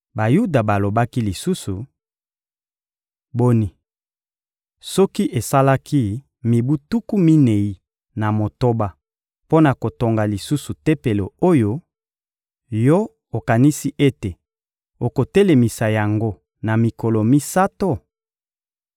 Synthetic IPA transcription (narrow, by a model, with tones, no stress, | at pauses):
ba˨ju˦da˨ba˨lo˨ba˦ki˦li˨su˦su˨ | bo˦ni˨ | sɔ˦ki˦ʔe˨sa˦la˦kʰi˦ | mi˨bu˦tu˦ku˦mi˦ne˨i˦ | na˨mo˨to˦ba˦ | po˦na˨ko˨to˨ŋɡa˨li˨su˦su˨te˦pe˨lo˨o˦jo˦ | jɔ˦ | o˨ka˨ni˦si˦ʔe˦te˨ | o˨ko˨te˦le˨mi˨sa˨ja˨ŋɡo˦ | na˨mi˨ko˨lo˨mi˦sa˦to˦